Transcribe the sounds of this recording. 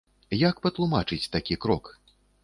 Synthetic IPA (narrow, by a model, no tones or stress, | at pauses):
jakpɐt̪lˠumat͡ʂɨt͡sʲt̪akʲikɾɔk